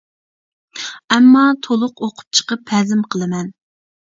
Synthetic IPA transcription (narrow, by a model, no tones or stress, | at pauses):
ɛmːɑt̪ʰolˠʊqoqʰʊ̥p̚t͡ʃʰə̥qəpʰːɛzɪmqʰəlˠɨmɛn